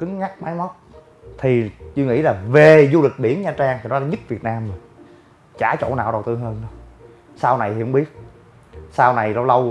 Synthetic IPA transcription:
kï˨˦ŋŋa˦˥k̚maː˨˦jmɔ˦˥t̚ | t̪ʰi˨˩t͡ɕɨ˧ŋḭ˧˥laː˨˩ve˨˩zu˧lɨ˨˩k̚ɓi˧˩ənɲaː˧t͡ɕaː˧ŋt̪ʰi˨˩nɔ˨˦la˨˦ɲɨ˦˥t̚vi˨˩ət̚naː˧mə˨˩ | t͡ɕaː˧˩t͡ɕo̰˧˥˨naː˨˩wɗə˨˩wt̪ɨ˧hɦəː˧nɗo˨˦ | saː˧wna˨˩jhi˨hə˧˦ŋ͡mɓi˦˥ət̚ | saː˧wna˨˩jlə˧wlə˧w

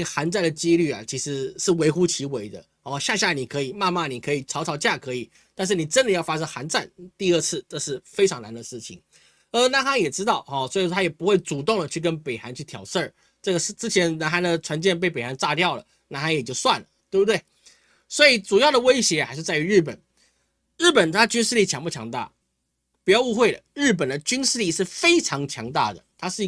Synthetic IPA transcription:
xa˧˥nt͡sa˥˩ɪd̪ə˩t͡ɕi˥ly˥˩a̰˨˩t͡ɕʰi˧˥ʂɻ̩˧˥ʂɻ̩˥˩we˧˥ɪxu˥t͡ɕʰi˧˥we˧˥ɪd̪ə̰˧˦ | ɔ˥˧ɕja˥˧ɕ̬ja˥˩ni˨˩kʰɤ˧˥i˨˩ma˥˧ma˥˩ni˨˩kʰɤ˧˥i˨˩t͡sʰɑ˧˥ʊɑ˧˥ʊt͡ɕja˥˩kʰɤ˧˥i˨˩ | t̪nʂ̬ɻ̩˥˩ni˨˩ʈ͡ʂə˥nd̪ə˨jɑ˥˩ʊfa˥ʂɤ˥ŋxa˧˥nt͡sa˥˩nt̪i˥˧ə˥˧t͡sʰɹ̩˥˩˧ʈ͡ʂɤ˥˧ʂɻ̩˥˩fe˥ɪʈ͡ʂʰɑ˧˥ŋna˧˥nd̪ə˨˧ʂɻ̩˥˩t͡ɕʰḭ˨˩ŋ | ə˞˧˥na˧˥nxa˥ŋjɛ˨˩ʈ͡ʂɻ̩˥t̪ɑ˥˩ʊɔ˧˩swɔ˧˥i˨˩˥t̪ʰa˥jɛ˨˩pu˧˥xwe˥˩ɪt͡su˨˩t̪ʊ˥˩ŋlə˩t͡ɕʰy˥˩kə˦˥npe˨˩ɪxa˧˥nt͡ɕʰy˥˩t̪ʰjɑ˨˩ʊʂə˥˩ | ʈ͡ʂɤ˥˩ɡə˩ʂ̩˥˧ʈ͡ʂɻ̩˥t͡ɕʰjɛ˧˥nna˧˥nxa˧˥nd̪ə˨ʈ͡ʂʰwa˧˥nt͡ɕjɛ˥˧np̬e˥˩ɪpe˨˩ɪxa˧˥nt͡sa˥˧t̪jɑ˥˨˩ʊlə̰˩ | na˧˥nxa˧˥njɛ˨˩t͡ɕjo˥˧ʊswa˥˩nlə˩t̪we˥˩bu˧t̪we˥˩ɪ | swɔ˧˥i˨˩ʈ͡ʂu˨˩jɑ˥˩ʊd̪ə˩we˥ɪɕjɛ˧˥xa˧˥ʂɻ̩˥˧t͡sa˥˩ɪy˧ɻɻ̩˥˩p̬ə̰˨˩n | ɻ̩˥˩pə˨˩nt̪ʰa˥˧t͡ɕy˥nʂɻ̩˥˧li˥˩t͡ɕʰjɑ˧˥ŋpu˥˩t͡ɕʰjɑ̰˧˥ŋt̪a̰˥˩ | pu˨˩jɑ˥˧ʊu˥˧xwe˥˩ɪlə̰˩ɻ̩˥˩p̬ə˨˩nd̪ə˦t͡ɕy˥nʂɻ̩˥˧li˥˧ʂɻ̩˥˩fe˥ɪʈ͡ʂʰɑ˧˥ŋt͡ɕʰjɑ˧˥ŋt̪a̰˥˩d̪ə̰˩t̪ʰa˥ʂɻ̩˥˧

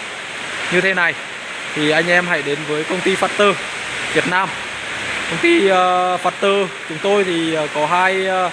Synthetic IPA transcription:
ɲɨ˧t̪ʰe˨˦na˨˩j | t̪ʰi˨˩ʔa˧jŋ̟ʔɛ˧mɦa̰˧˩jɗe˨˦nvəː˨˦jkə˧wŋ͡mt̪i˧faː˨˩t̚t̪əː˧˩ | vi˨˩ət̚naː˧m | kə˧wŋ͡mt̪i˧ə˨faː˨˩t̚t̪əː˧t͡ɕʊ˨˦ŋ͡mt̪o˧jt̪ʰiː˨˩˨kɔ˨˦ɦaː˧j

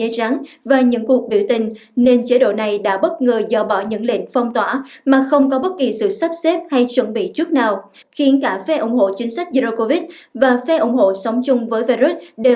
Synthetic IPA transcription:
ə˧za˨˦ŋvaː˨˩ɲɨ̰˧˥ŋku˨˩ək̚ɓi˧˩əwt̪ï˨˩ŋ̟ne˧nt͡ɕe˨˦ɗo̰˧˨na˨˩jɗa̰ː˧˥ɓə˦˥t̚ŋəː˨˩zɔ̰˧˩ɓɔ˧˩ɲɨ̰˧˥ŋlḭ˧˨nfə˧wŋ͡mt̪waː˧˩maː˨˩xə˧wŋ͡mkɔ˨˦ɓə˦˥t̚ki˨˩sɨ̰˧˨sa˦˥p̚se˦˥p̚ha˧jt͡ɕwə˧˩nɓḭ˧˨t͡ɕɨ˦˥ək̚naː˨˩w | xi˨˦ənkaː˧˩fɛ˧˥ʔʊ˧˩ŋ͡mho̰˧˨t͡ɕï˨˦ŋ̟sa˦˥k̟̚zi˧o˧ko˧vi˦˥t̚vaː˨˩fɛ˧˥ʔʊ˧˩ŋ͡mɦo̰˧˨sə˨˦wŋ͡mt͡ɕʊ˧ŋ͡mvəː˨˦jvi˧ɾu˦˥t̚ɗe˨˩

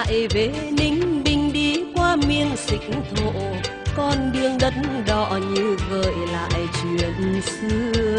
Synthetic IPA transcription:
a̰˧˨jve˨˦nï˧ŋ̟ɓï˧˩ŋ̟ɗi˧kwaː˧mi˧ənsï˨˩k̚ŋt̪ʰo̰˧˨ | kɔ˧nɗɨ˧əŋɗə˨˦˥tnɗɔ˧˩ɲɨ˧ɣəː˧˨˩jla̰ː˧˨jt͡ɕwḭ˧˨ən˧sɨ˧˦

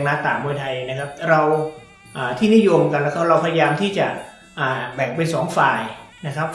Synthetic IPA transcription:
ŋnaː˦˥t̪aː˨˩mbuː˧jt̪ʰa˧jna˦˥kʰa˦˥p̚ɾa˧w | ʔaː˨˩t̪ʰiː˥˩ni˦˥˨jo˧mka˧nlɛː˦˥kʰa˦˥p̚ɾa˧wpʰa˧ja˧jaː˧mt̪ʰiː˥˩t͡ɕa˨˩ | ʔaː˨˩bɛː˨˩k̚pe˧nsɔː˩˦ŋfaː˨˩jna˦˥kʰa˦˥p̚

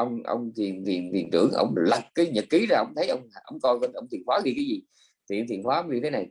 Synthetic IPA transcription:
ʔə˧wŋ͡mʔə̰˧wŋ͡mt̪ʰi˨˩ənt̪ʰi˨˩ənt̪ʰi˨˩ənt̪ɨ̰˧˩əŋʔə̰˧˩wŋ͡mlə˨˩t̚kaː˨˦jɲə˨˩t̚ki˨˦zaː˧ʔə˧wŋ͡mt̪ʰə˨˦jʔə˧wŋ͡mʔə̰˧˩wŋ͡mkɔ˧jkɔ˧n˧wŋ͡mt̪ʰi˨˩ənhwaː˨˦˥ki˧kaː˨˦jzi˨˩ | t̪ʰi˨ə˧wt̪i˨˩ənhwaː˨˦ə˧˦ŋ͡mɲɨ˧t̪ʰna˨˩j

